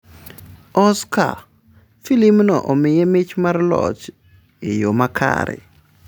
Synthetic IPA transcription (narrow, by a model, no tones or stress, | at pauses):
ɔska̰ | filimnɔʔɔmɪjɛmɪt͡ʃmarlɔ̰t͡ʃ | ɪjomakʰa̰ɾɛ̰